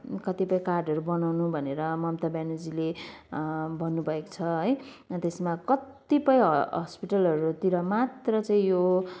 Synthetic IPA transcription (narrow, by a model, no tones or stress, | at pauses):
kʌt̪ipʌj̃karɖʱʌɾubʌnawnubʱʌneɾʌmʌmt̪abjanud͡zile | bʱʌnːubʱʌeko̥t͡sʰʌɦʌjt̪esmakʌt̪ipʌjɦɦʌspiʈʌlʌɾut̪iɾʌmat̪rʌt͡saĩjo